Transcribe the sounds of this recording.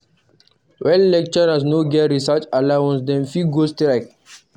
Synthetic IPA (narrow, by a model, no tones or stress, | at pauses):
wɛllɛk̚t͡ʃɔasnoɡɛɹisat͡ʃalawãnsdɛ̃nfiɡostɹak